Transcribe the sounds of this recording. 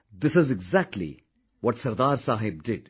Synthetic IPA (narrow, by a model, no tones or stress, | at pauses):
d̪ɪsɪzɪɡzæk̚ʈʰlḭ | wɔʈsɐɾd̪aːɾsaːɦɪb̚dɪd̥